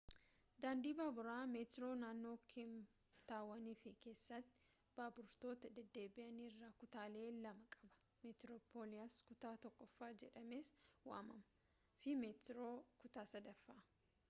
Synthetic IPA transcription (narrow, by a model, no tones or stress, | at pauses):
d̪aːnd̪iːbaːbʊɾaːmeːt̪ɪɾo̞ːnaːnːo̞ːkʰɪm | t̪aːwːɐniːfɪke̞ːsːɐt̪ːɪ̥ | b̥aːbʊɾt̪o̞ːt̪ɐd̪ɛd̪ːe̞ːbɪʔɐniːrːaːkʊt̪aːle̞ːlɐmɐkʼɐbɐ̥ | mɛt̪ɾoːpʰo̞ːlɪjaskʊt̪aːt̪ɔkːɔfːaːd͡ʒɛᶑɐmeːswa̰ːmɐmɐ | fɪmeːt̪ɾo̞ːkʊt̪aːsɐd̪ɐfːaː